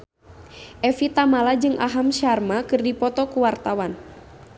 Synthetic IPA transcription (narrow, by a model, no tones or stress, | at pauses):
ʔɛfit̪amalad͡ʒɨŋʔa̰ɦamʃarmakɨrdipɔt̪ɔkuwart̪awan